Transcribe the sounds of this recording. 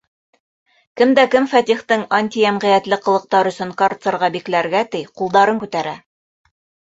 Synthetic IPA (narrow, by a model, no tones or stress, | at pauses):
kɘmd̪ækɘmfæt̪ʲiχt̪ɤŋanʲt̪ʲijæmʁĭjæt̪lɘqɤ̆lˠɤ̆q̚t̪ɑɾɵ̆sɵŋkart̪sɤ̆ɾʁɑbiklæɾɡæt̪ɘjqulˠd̪ɑɾɤŋkʉt̪æɾæ